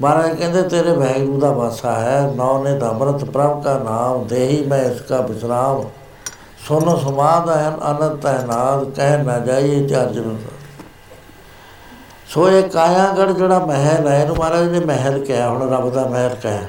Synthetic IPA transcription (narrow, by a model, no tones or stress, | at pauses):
maːɾaːkɛ̃ːnd̪eːt̪eːɾeːbɛːɡuːd̪aːbaːsaːɦɛːnɔ̃ːneːd̪aːməɾət̪pɾəʋkaːnaːmd̪eːɦiːmɛ̃ːɪskaːbɪsɾaːum̃ː | sʊnsəmaːd̪aːɦənə̰nət̪əːnaːlkɛɦmɛ̃ːd͡ʒaːieːt͡ʃaːɾd͡ʒəɾəna | soːeːkaːjãːɡəɽd͡ʒeːɽaːmɛɦəlɛːenũːmaːɾaːd͡ʒeːɽeːmɛɦəlkeɛːɦʊɳɾəbd̪aːmɛɦəlkɛɛː